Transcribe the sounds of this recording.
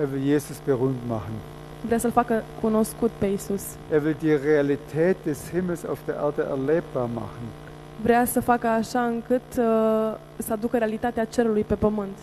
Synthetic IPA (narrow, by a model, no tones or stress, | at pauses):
ʔeːɐvɪljeːzʊsb̥əʁyːntmaχn̩ | vɾeasəlfakəkuno̞skut̪pe̞jisus | ʔeːɐvɪldiːʁealitʰɛːt̚d̥eshɪml̩sa̰ʊfd̥eːɐʔɛɐdəʔɛ̰ɐleːp̚b̥aːɐma̰χn̩ | vɾeasəfakəaʃaɨŋkɨt̪ | səad̪ukəɾealit̪at̪eat͡ʃe̞ɾulujpe̞pəmɨnt̪